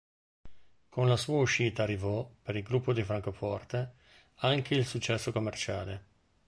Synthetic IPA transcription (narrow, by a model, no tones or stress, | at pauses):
kʰonlasuːauʃiːt̪aːrːivɔpeɾilɡɾupːod̪ifɾaŋkofɔrt̪e | aŋk̟eilsut͡ʃːɛsːokomːert͡ʃaːle